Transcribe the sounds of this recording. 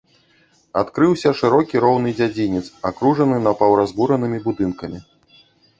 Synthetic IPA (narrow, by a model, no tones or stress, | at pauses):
at̪kɾɨwsʲɐʂɨɾɔkʲiɾɔwn̪ɨd͡zʲad͡zʲinʲit̪sakɾuʐɐnɨnɐpɐwɾazbuɾɐnɨmʲibud̪ɨnkɐmʲi